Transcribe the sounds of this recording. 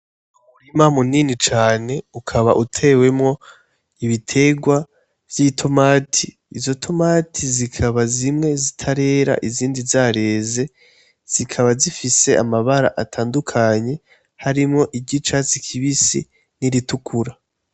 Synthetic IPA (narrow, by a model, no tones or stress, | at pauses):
uɾimamuniːnit͡ʃaːne̞ukʰaβa̰ʔutʰe̞we̞mŋo̞ | iβitʰe̞ɡwa | vjitʰo̞maːtʰiː | zo̞tʰo̞maːtʰizikʰaβazimŋe̞zitʰaɾe̞ːɾa̰ʔiziːndizaɾe̞ːze̞ | z̥ikʰaβazifise̞ʔa̰maβaɾa̰ʔatʰaːndukʰaɲe̞ | haɾimŋo̞ʔibɟit͡ʃaːt͡sikʰiβisḭ | niɾitukʰuɾa